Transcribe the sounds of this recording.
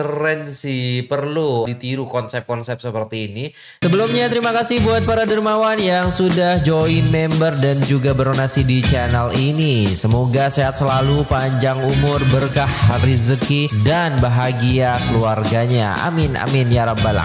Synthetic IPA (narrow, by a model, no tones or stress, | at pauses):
əɾɛnsipərludit̪iɾukɔnsɛp̚kɔnsɛp̚səpərt̪iːni | səbəlumɲat̪əɾimakasɪhbuat̪̚paɾadərmawanjaŋsudahd͡ʒoɪnmɛmbərdand͡ʒuɡabəɾonasidit͡ʃanalinisəmoɡaseat̪̚səlalupaɲd͡ʒaŋumʊrbərkahrizəkidanbaɦaɡiakəluarɡaɲa | a̰mɪnʔa̰mɪnjaɾabala̰